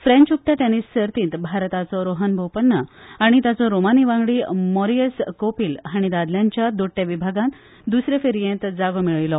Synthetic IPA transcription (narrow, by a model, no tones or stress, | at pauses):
fɾẽɲt͡ɕuk̚ʈ̪aʈ̪enisːəɾt̪ĩːt̪bʱaɾt̪at͡sɔɾoɦənbʱowpəɳːəaɽ̃it̪jat͡sɔɾomaniʋãŋɡɽiːmɔɾijəskopiːlɦaɽ̃id̪ad̪ljaɲt͡ɕjad̪oʈːjaʋibʱaɡãnt̪ | d̪usɾefeɾijẽnt̪d͡zaɡomiɭilɔ